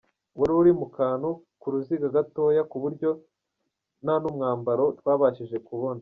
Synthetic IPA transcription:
woɾuuɾimukaːnu | kuɾuziɡaɡato̞ːjakuβuɾɟo̞ | nanumŋaːmbaɾo̞twaːβaʃiʒe̞kuβo̞na

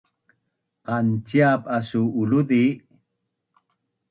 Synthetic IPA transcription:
qɑnt͡ʃiapasuːluði

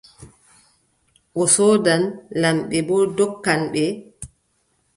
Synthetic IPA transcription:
ʔɔsɔːdanlamɓɛbɔdɔkːanɓɛ

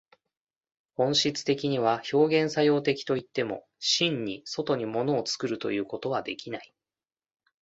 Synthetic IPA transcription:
hõ̞ɰ̃ɕit͡sɨ̥t̪e̞kʲiɲ̟iβ̞aço̞ːɡẽ̞ɰ̃sajo̞ːt̪e̞kʲi̥t̪o̞it̪ːe̞mo̞̰ | ɕĩɲ̟ɲːiso̞t̪o̞ɲ̟imo̞no̞ːt͡sɨ̥kɯ̟ɾɯ̟t̪o̞̰jɯ̟ːko̞t̪o̞βad̪e̞kʲinai

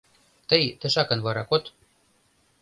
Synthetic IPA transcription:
t̪əjt̪ə̆ʃɑkɤ̆nβɑɾɑkot̪

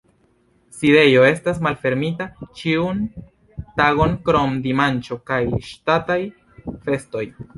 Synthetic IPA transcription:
side̞jo̞e̞stas̬malfe̞ɾmitat͡ʃiun | taɣo̞ŋkɾo̞mdimant͡ʃo̞kajʃtataj | fe̞sto̞j

